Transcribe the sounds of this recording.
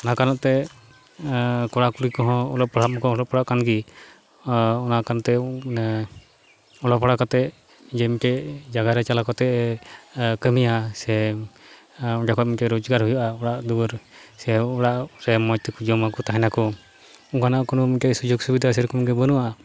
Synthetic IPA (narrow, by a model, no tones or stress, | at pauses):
ɔnakanɔʔt̪ɛ | kɔɽakuɽikɔɦɔ̃ɔlɔpɔɽamɔkɔɔlɔpɔɽaʔkanɡi | ɔnakanɔt̪ɛ | ɔlɔpɔɽakɔt̪ɛʔ | d͡ʒɛmikɛd͡ʒaɡaɾɛt͡ʃalakɔt̪ɛʔ | kəmijasɛ | ɔd͡ʒakʰɔt̪̚mikɛɾud͡ʒɡaɾhujaʔaɔɽaʔd̪uəɾsɛɔɽaʔɾɛmɔjt̪ɛkud͡ʒɔmakɔt̪aɦɛnakɔ | uŋkanaʔkɔnumikɛsud͡ʒoɡsubid̪ʱas̬ɛɾkɔmikɛbənuʔaʔa